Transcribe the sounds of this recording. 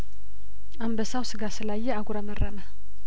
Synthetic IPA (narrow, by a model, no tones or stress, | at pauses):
ambəsawsɨɡasɨlajːɛaɡʷuɾamərːəmə